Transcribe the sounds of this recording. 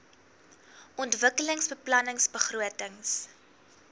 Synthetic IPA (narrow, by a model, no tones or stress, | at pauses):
ʔɔntvəkələŋsbəplɐnəŋsbəχruətəŋs